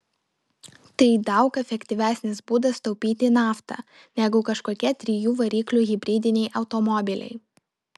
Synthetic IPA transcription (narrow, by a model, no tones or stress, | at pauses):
t̪ɐɪd̪ɐʊkɛfʲɛkʲt̪ʲɪʋʲæːsʲnʲɪsbuːd̪ɐst̪ɔʊpʲiːt̪ʲɪnɑːft̪ɐ̰ | nʲɛɡʊkɐʃkoːkʲiɛt̪ʲɾʲɪjuːʋɐɾʲiːklʲuːɣʲɪbʲɾʲiːd̪ʲɪnʲɛɪʔɐʊt̪ɔmɔbʲɪlʲɛ̰ɪ